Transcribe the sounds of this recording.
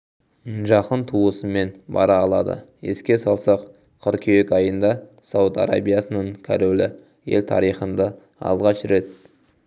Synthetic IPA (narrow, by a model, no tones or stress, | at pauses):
ʒɑqənt̪ʰuəsəme̞nbɑ̰ɾɑːlˠɑd̪ə̰e̞̰skʲe̞sɑlˠsɑq | qʰʊɾkʲʰejekʲɑjənd̪ɑsɑwət̪ɑ̰ɾa̰bijasənəɴkʲʰa̰ɾolɪ | je̞̰lt̪ʰɑ̰ɾijχənd̪ɑ | ɑ̰lˠʁɑʃɾe̞t̪̚